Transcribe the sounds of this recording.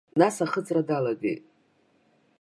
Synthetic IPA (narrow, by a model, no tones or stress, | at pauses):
nasaχət͡sʼradalaɡḛjtʼ